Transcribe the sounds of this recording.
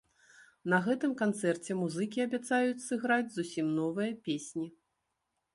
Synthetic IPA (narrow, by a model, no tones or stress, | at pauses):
nɐɣɛt̪ɨmkant̪sɛrt͡sʲɛmuzɨkʲiɐbʲat̪sajut͡sʲsɨɣɾad͡zʲzusʲimnɔvɨjɐpʲesʲnʲi